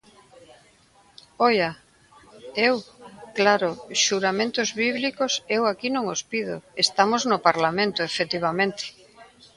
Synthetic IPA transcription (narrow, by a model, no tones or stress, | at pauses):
ɔja | ewklaɾʊʃuɾamẽnt̪ʊzβiβlikosewakinõŋospið̞ʊ̰est̪amoznʊpaɾlamẽnt̪ʊefet̪iβ̞amẽnt̪ɪ̥